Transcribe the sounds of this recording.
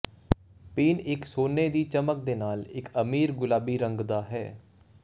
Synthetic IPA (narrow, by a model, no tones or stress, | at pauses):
piːnɪksoːneːd̪iːt͡ʃəmək̚d̪eːnaːlɪkəmiːɾɡʊlaːbiːɾəŋɡd̪aːɦɛː